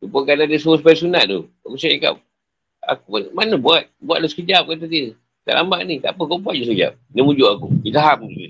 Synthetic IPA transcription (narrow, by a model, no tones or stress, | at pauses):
t̪upokanadəsuospaisunaʔd̪uakusaika̰p̚ | a̰kuanmanəbuat̪̚bua̰t̪̚lasə̥kəd͡ʒap̚kat̪əd̪iə | t̪a̰ʔla̰mbaʔnit̪a̰pəkobat̪̚d͡ʒus̬əkəd͡ʒa̰p̚nimud͡ʒuʔakṵit̪aɦamui